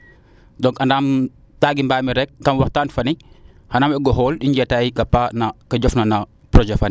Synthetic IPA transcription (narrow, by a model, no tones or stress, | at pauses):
dɔŋkanaːm | taːɡimbaːmiɾɛk̚kɐmwaxtaːnfɐni | hanaːmɛɡɔɦɔːlɗiɲɟɛtajiɡɐpanakɐɟɔfnɐnɐ | pɾɔd͡ʒɛfɐni